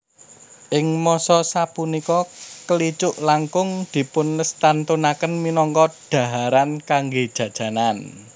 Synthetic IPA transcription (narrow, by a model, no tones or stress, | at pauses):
ʔɪŋmɔsɔsapunikɔkəlit͡ʃʊʔlaŋkʊŋd̪̥i̤pʊnləst̪ant̪unakənminɔŋkɔd̪̥ä̤ɦaɾankaŋɡed̥ʒ̥ä̤d̥ʒ̥ä̤nan